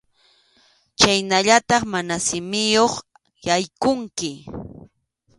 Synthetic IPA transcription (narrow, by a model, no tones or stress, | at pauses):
t͡ʃajnaʎat̪ɑχmanasɪmɪjoχ | jajkʊŋkɪ